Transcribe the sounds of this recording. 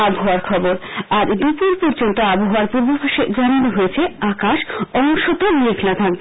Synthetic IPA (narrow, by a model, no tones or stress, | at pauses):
aboɦoaɾkʰɔboɾaɾd̪upuɾpɔɾd͡ʑont̪oaboɦoaɾpuɾbopʰaʃed͡ʑananoɦojet͡ɕʰeakaʃɔŋʃot̪omikʰnat̪ʰak̚be